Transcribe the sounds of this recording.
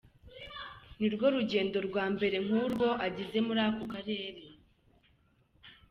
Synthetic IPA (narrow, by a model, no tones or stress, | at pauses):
niɾɡo̞ɾuɟe̞ːndo̞ɾɡwaːmbe̞ɾe̞ŋ̥uːɾɡo̞ʔaɟize̞muɾaːkokaɾe̞ːɾe